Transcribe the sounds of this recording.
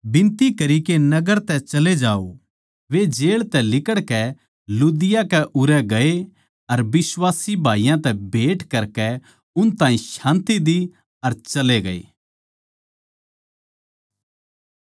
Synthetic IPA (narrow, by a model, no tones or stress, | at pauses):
bɪ̃nt̪ikɐɾikenɐɡəɾt̪ɛt͡ʃɐled͡ʒaːo̰ | ʋed͡ʒeːɭt̪ɛlɪkəɽkɛ | luːd̪ɪjakɛʔʊɾɛɡɐe | ɐɾbɪswaːsibʱaːijãt̪ɛbʱeːʈkɐɾkɛ | ʊnt̪ãːĩʃãːnt̪id̪i | ɐɾt͡ʃɐleɡɐḛː